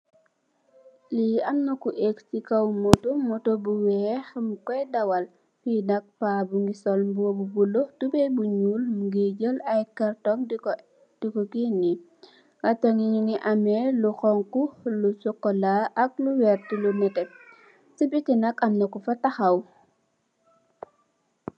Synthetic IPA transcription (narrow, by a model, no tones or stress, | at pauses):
liɐmnɐkuʔeksikɐwmɔtumɔtobuwɛxmkɔjdawal | finɐk̚paːbuŋɡisɔlmbuobubulotubɛbuɲulmɡeɟəlajkartɔŋ | d̥ikɔkinːi | ɐtɔŋiɲiniʔamɛluxɔŋkulusɔkːɔlaʔɐk̚luwɛɾtilunɛtɛ | sibitinɐkɐmnɐkufɐtaxɐw